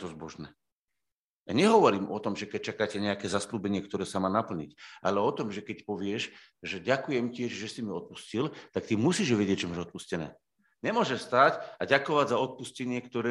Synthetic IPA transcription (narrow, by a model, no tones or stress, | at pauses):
t̪ɔzbɔʒnɛː | aɲɛɦɔʋɔɾiːmʔɔt̪ɔmʒɛkɛc̚t͡ʃakaːcɛɲɛakɛːzasluːbɛɲɪɛkt̪ɔɾɛːsamaːnapl̩ɲḭcʔalɛɔt̪ɔmʒɛkɛcpɔʋɪɛʃ | ʒɛɟakujɛmcɪɛʒʒɛsimiɔt̪̚puscilt̪ak̚t̪imusiːʒʋɛɟɪɛct͡ʃɛmaʒɔt̪̚puscɛnɛ̰ː | ɲɛmʊɔʒɛʃst̪aːcaɟakɔʋaɟzaɔt̪̚puscɛɲɪɛkt̪ɔɾɛ